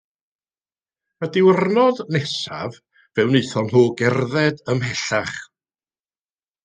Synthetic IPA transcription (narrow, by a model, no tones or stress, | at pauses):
ədɪwrnɔðnɛsa̰v | vɛwneθɔnɦoːɡɛrðɛdəmhɛɬaχ